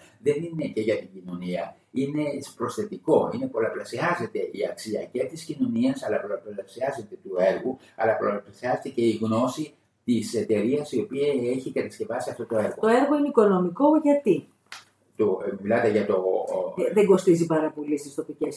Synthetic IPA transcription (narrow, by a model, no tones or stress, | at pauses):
ðe̞nine̞ce̞ʝɐt̪iɟino̞niɐ | ine̞pɾo̞sθe̞t̪iko̞ine̞po̞lɐplɐsiɐze̞t̪e̞ʔiɐksiɐcet̪iscino̞niɐsɐlɐpolɐplɐsiɐze̞t̪e̞t̪ue̞ɾɣu | ɐ̰lɐpolplɐsiɐzet̪ece̞iɣno̞si | t̪ise̞t̪e̞ɾiɐsio̞piɐe̞çikɐt̪ɐsce̞vɐsiɐft̪o̞t̪o̞e̞ɾɣo̞t̪o̞e̞ɾɣo̞ineiko̞no̞miko̞ʝɐt̪i | t̪omilɐt̪eʝɐt̪o̞ðeŋɡo̞st̪izipɐɾɐpo̞list̪ist̪o̞pices